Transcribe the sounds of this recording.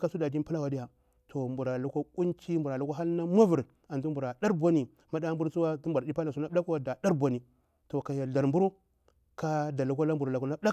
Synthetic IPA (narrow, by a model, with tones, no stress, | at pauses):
ka˦su˦da˨d͡ʒi˦n˦pi˦la˦wa˨di˦ja˨ | tʰo˨mbu˨ɾa˨lu˦ko˦ku˦nt͡ʃi˦mbu˨ɾa˨lu˦ka˦a˦lna˦ma˦vu˨ɾ | a˨ntu˦mbu˨ɾa˨da˦ɾbʷa˦ni˨ | ma˦da˦bu˦ɾt͡su˦wa˦tu˦bu˨ɾa˨di˦pa˦la˨su˨˦na˦a˦kwa˨da˨da˦ɾbʷa˨ni˨ | to˨ka˨ja˨a˨ɾmbu˦ɾu˦ | ka˦da˨lu˨ko˦la˦m˦bu˨ɾla˨ku˨na˦da˦